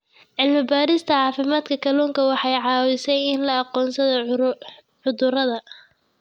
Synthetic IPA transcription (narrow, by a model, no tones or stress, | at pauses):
ʕɪlmɪbaːɾɪst̪ʰɐʕɑːfɪmaːd̪kʰɐkʰɐlɔːŋkʰɐwɑħɑjʕɑːwɪsɛjɪnlɐɑqɔːnsɐðɔ | ʕʊðʊɾɐðɐ